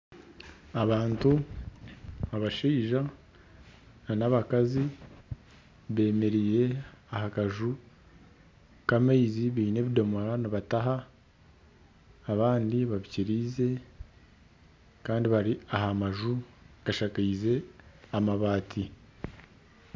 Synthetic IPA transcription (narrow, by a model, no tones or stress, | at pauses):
aβaːntu | aβaʃiːʒa | nanaβakazi | βe̞ːme̞ɾije̞ahakaʒu | kameiziβiːne̞ːβidomoɾanaβataɦa | βaːndiβaβiciɾiːze̞ | kaːndiβaɾiaɦamaʒuɡ̥aʃakaize̞amaβaːtʰi